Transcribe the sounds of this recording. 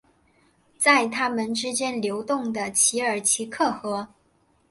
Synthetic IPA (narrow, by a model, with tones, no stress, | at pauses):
t͡sa˥˩ɪt̪ʰa˥mə˨nʈ͡ʂɻ̩˥t͡ɕjɛ˥nljo˧˥ʊt̪ʊ˥˩ŋd̪ə˩t͡ɕʰi˧˥ə˞˨˩t͡ɕʰi˧˥kʰɤ˥˩xɤ˧˥